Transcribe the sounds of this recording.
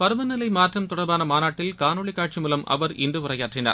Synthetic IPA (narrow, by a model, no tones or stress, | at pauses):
pɐɾɯʋɐnːɪlɐɪmaːʈrɐmt̪ʊɽɐɾbaːnɐmaːnaːʈːɪlkaːnoːɭɪkːaːʈ̚t͡ʃimuːlɐmʔɐ̰ʋɐɾɪ̰ndrɯʊrɐjaːʈrɪna̰ːɾ